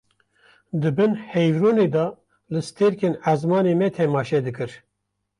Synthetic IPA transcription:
d̪ɨbɨnhɛjvɾuːneːd̪ɑ | lɨst̪eɾkeːnæzmɑːneːmɛt̪ʰɛmɑːʃɛd̪ɨkɨɾ

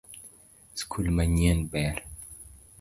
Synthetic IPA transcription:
skʰulmaɲenbɛɾ

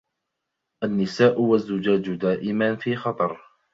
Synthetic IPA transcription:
ʔanːɪsaːʔwazːʊd͡ʒaːd͡ʒd̪aːʔɪmanfiːxɑt̪ˤɑɾˤ

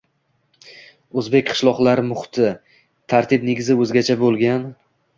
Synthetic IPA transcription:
ɵzbe̞k̚ʲqʰɨ̥ʃlˠɒqlˠaɾɪmʊχt̪ʰɪ | t̪ʰaɾt̪ʰɪpneɡʲɪzɪɵzɡʲat͡ʃʰabolˠɡʲan

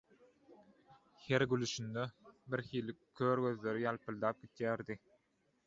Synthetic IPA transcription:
heɾɡylyʃynd̪øbiɾxiːlikʰːøːɾɡø̞ðle̞ɾijɑlˠpʰɯlˠd̪ɑːp̚ɡit̪jæːɾd̪i

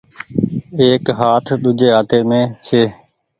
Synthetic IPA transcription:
eːkɦaːt̪ʰɗ̪ud͡ʒeːɦaːt̪eːmẽːt͡ʃʰeː

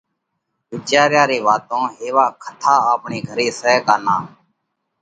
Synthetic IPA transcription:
ʋɪt͡ʃjaːɾjaːɾeːʋaːt̪õːɦeːʋaːkʰət̪ʰaːaːpɳeːɡʱəɾeːsəkaːnaː

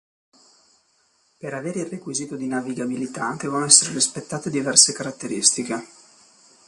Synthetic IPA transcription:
peɾaveːɾeilrːekwiziːt̪od̪inaviɡabilit̪ad̪ɛːvonoɛsːeɾeɾispet̪ːaːt̪ed̪ivɛrsekaɾat̪ːeɾist̪ike

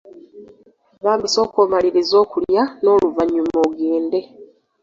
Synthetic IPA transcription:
βaːmbiso̞ːkomaliɾizo̞ːkuljano̞ːluvaɲːumoɡeːnde̞

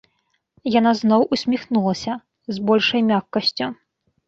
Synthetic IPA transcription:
janaznɔwʔusʲmʲixnulˠɐsʲɐ | zbɔlʲʂɐjmʲakːɐsʲt͡sʲu

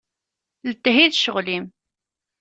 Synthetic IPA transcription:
lət̪ːɦiðʃəʁlim

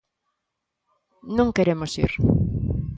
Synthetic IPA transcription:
nõŋkeɾemosḭɾ

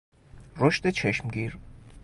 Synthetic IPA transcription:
rɔʃt̪ɛt͡ʃʰɛʃmɡiɾ

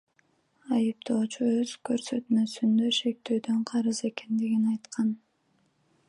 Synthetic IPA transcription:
ɑjɯp̚t̪o̞ːt͡ʃuøzkø̞ɾsø̞t̪møsynd̪øʃe̞k̚t̪øːd̪ø̞ɴqʰɑɾɯze̞ke̞nd̪iɡinɑjt̪qɑn

